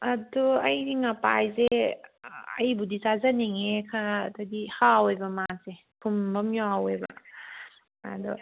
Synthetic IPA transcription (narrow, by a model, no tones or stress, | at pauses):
ɐduɐjdiŋapajze | ɐjbudizazɐneŋekʰadadihawejbɐmase | pʰumbɐmjaawebɐ̰ | a̰du